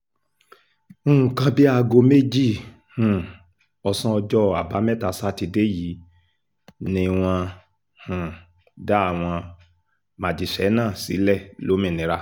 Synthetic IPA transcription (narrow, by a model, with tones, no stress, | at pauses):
o˦˨ũ˨kã˧bi˦a˧ɡo˧me˦˨d͡ʒi˦˨ | hũ˨ | ɔ˧sã˦ɔ˧d͡ʒɔ˦a˨ba˨˦mɛ˦˨ta˨sa˦ti˧de˦ji˨˦ | nĩ˧w̃ɔ̃˧ | hũ˨ | da˦a˦˨w̃ɔ̃˧ | mã˨d͡ʒi˨ʃɛ˨˦nãː˦˨sḭ˨˦lɛ˦˨lo˨˦mĩ˦˨nĩ˨˦ɾa˧˦